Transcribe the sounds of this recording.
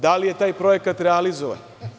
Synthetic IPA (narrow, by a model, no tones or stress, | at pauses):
d̪alije̞t̪aːjpɾo̞je̞kat̪ɾealizoʋa̰n